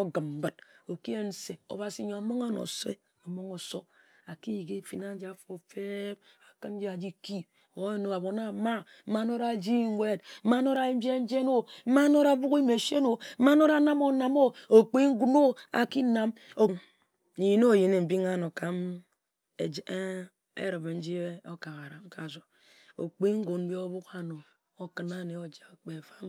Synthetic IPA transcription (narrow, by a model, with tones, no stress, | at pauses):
o˦ɡɨ˨mm̩˦bɨ˨t̚o˨ki˦e˦n̩˦se˨o̰˨ba˨si˨˦ɲo˨a˨mo˦ŋa˦no̰˨sḛ˦ | o˨mo˦ŋo˨so˦ | a˨ki˦ji˨ɡe˦˨fi˨na˦n˦d͡ʒi˦a˨fo˨fe˦b̚ | a˨kɨ˦nn˦d͡ʒi˦a˨d͡ʒi˦ki˦ | o˨˦e˦no˨a˨bo˨na˦ma˦ | m̩˦a˦no˦ɾa˨d͡ʒi˦wʷe˦t̚m̩˦ma˦no˦ɾa˨i˦m˦d͡ʒe˦n̩˦d͡ʒe˦no˦m̩˦ma˦no˦ɾa˨˦bu˦ki˦me˨ʃe˦no˨˦ma˦no˦ɾa˦na˦mo˨na˨mo˦o˨k͡pi˦ŋ̩˦ɡu˦no˦a̰˨ki˦na˨m | o˨n | n̩˨ji˦no˦˨ji˨ne˨m̩˨bi˦ŋa˦no˨ka˨m | e˨d͡ʒ | ḛ˦ɾɨ˨bn̩˦d͡ʒi˦e˦o˦ka˨ɣa˨ɾa˨m˦ka˨zo˨ | o̰˨k͡pe˦ŋ̩˦ɡo˨nm̩˦bi˦o˦bu˦ka˨no˨ | o˦kɨ˨na˨ne˨o˨d͡ʒa˨k͡pe˨fa˦m